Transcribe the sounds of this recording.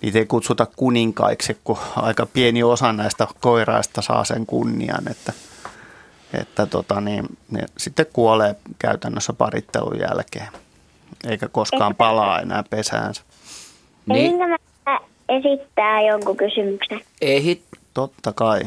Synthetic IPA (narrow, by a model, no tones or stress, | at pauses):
nḭːt̪eikut̪sut̪ɑkkuniŋkɑ̰iksikkuɑ̰ikɑpieniosɑnæist̪ɑkoirɑ̰ist̪ɑsɑ̰ːsḛŋkunːḭɑ̰nḛt̪ːæ | ḛt̪ːæt̪ot̪ɑniːnnḛsit̪ːekkuoleːkæyt̪ænːøsːæpɑrḭt̪ːḛlṵjæ̰lkeː | eikækoskkɑːmmpɑlɑːḛnæːpesæ̰ːnsæ̥ | niiŋkæm | æ | esit̪ːæːjoŋkukysymykseneihitt̪ot̪ːɑkɑi